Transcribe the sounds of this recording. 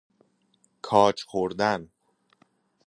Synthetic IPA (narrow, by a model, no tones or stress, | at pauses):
kʰɒːt͡ʃʰxoɾd̪æn